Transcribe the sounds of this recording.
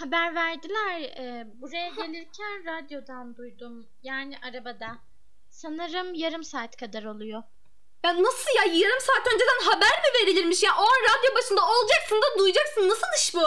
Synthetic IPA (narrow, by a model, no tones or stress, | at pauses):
habæɾvæɾd̪ilʲæɾɛːbuɾajaɟelʲiɾcʰænɾad̪jo̞d̪and̪ujd̪um | jaːniʔaɾabad̪a | sanɯɾɯmjaɾɯmsaːt̪kʰad̪aɾo̞lˠujo | jannːasɯlˠjajaɾɯmsaːt̪ø̞nd͡ʒed̪ænɦabæɾmive̞ɾilʲiɾmiʃjaʔoanɾad̪jo̞baʃɯnd̪ao̞lˠd͡ʒaksɯnd̪ad̪ujd͡ʒaksɯnːasɯlˠɯʃbu